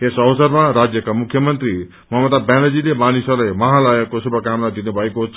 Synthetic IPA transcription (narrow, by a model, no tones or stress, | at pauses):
esʌwsʌrmaɾad͡zjʌkamukʰjʌmʌnt̪ri | mʌɦʌmʌt̪abanʌd͡zilemanisʌrlajmʌɦãlajʌkosubʱʌkamlad̪inubʱʌekoɦt͡sʰ